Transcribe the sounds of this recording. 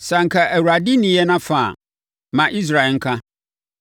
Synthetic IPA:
sa˨ŋ̩˨kʰa˨ʔæ˨wu˨a˨di˦nĩ˨jɛ˦nã˦fa̰˨ | mã˨ʔi˦s̬ɾa˨ɛ˨ŋ̩˦kʰã˦

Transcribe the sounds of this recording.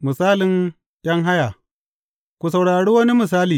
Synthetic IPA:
mɨ˨saː˦lɪ˨n | ʔʲɐ˦ŋɦa˦ja˨ | kʷu˨sɐ˨wɽaː˨ɽiː˦wɐ˦ni˦mɪ˨s̬aː˦liː˨

